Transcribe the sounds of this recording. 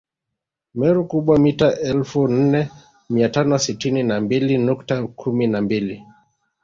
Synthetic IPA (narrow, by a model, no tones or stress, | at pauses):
mɛɾukuɓwamitaʔɛlfun̩nɛ | miatanɔsitininambilinuktakʰuminambili